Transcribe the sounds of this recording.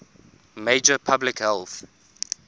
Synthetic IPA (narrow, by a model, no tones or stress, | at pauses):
meɪd͡ʒəpʰablɪkhɛlˠθ